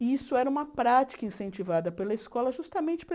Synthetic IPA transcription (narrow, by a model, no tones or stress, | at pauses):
isʊɛɾɐũmɐpɾat͡ʃi̥kɐĩsẽnt͡ʃivad̪ɐpelɐiskɔlɐʒust̪ɐmẽnt͡ʃɪ̥p